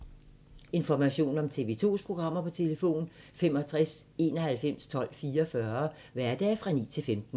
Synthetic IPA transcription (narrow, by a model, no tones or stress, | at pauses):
e̝nfɒmæɕo̝̰ːnɒ̽mt͡sʰe̝ʋe̝ːt͡sʰo̝̰ːspʰʁo̝ɡ̥ʁɑ̈m̰ɐpʰɒ̽t͡sʰe̝ləfo̝̰ːn | fem̰ɒt͡sʰʁase̝̰ːnɒ̽hælfem̰st͡sʰɒ̽l̰fiːɐfɶɐ | ʋæɐd̥ɛfʁɑ̈nḭːt͡sʰe̝lfemd̥n̩